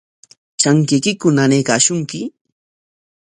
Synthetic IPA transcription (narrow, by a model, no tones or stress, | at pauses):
t͡ʃaŋkɪkɪkʊnanekaːʃʊŋkɪ